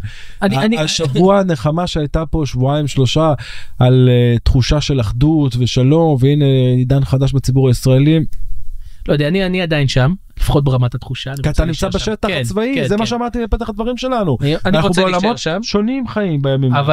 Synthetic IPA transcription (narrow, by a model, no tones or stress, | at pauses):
anaaniʃavuane̞χamaʃeajt̪apo̞ʃvuaimʃlo̞ʃaalet̪χuʃaʃe̞laχd̪ut̪ve̞ʃalo̞mveine̞id̪anχad̪aʃbet͡sibuʁaisʁaelim | lojd̪eaanianiad̪ainʃam | lifḁχo̞t̪̚beʁamat̪at̪χuʃanikiat̪animt͡sabeʃet̪aχat͡svaizemaʃeamaʁt̪ilepet̪aχad̪vaʁimʃe̞lanuananaueolamo̞tamʃo̞nimχaimbejamimav